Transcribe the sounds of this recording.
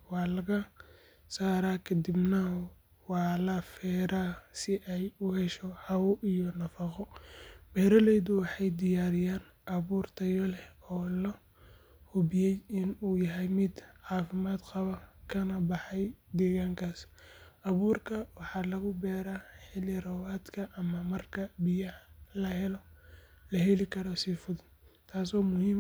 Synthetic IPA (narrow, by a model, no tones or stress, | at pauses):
wɑːlɐɣɐ | saːɾaːkʰɐd̪ɪbnɐ | wɑːlɐfɛːɾaːsɪʔɛjʊhɛʃɔhɑwʔijɔnɐfɑqɔbɛːɾɐlɛjðʊwɑħɑjd̪ɪjaːɾɪjaːn | ʔɐβuːrt̪ʰɐjɔlɛɔːlɐ | hʊbɪjɛjɪnuːjɐɦɛjmɪd̪ʕɑːfɪmaːd̪qɑβɐkʰɐnɐbɑħɑjd̪ɛːɣaːŋkʰaːsʔɐβuːrkʰɐwɑħɑːlɐɣʊbɛːɾaːħɪlɪrɔwaːd̪kʰɐʔɐmɐmɐrkʰɐbɪjɐhlɐɦɛlɔ | lɐɦɛlɪkʰɐɾɔsiːfʊðɪnt̪ʰaːsɔːmʊhiːm